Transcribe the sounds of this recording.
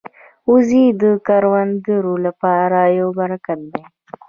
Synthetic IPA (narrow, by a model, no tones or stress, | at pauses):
uzid̪əkaɾwand̪əɾolapɑɾajobaɾakat̪̚d̪e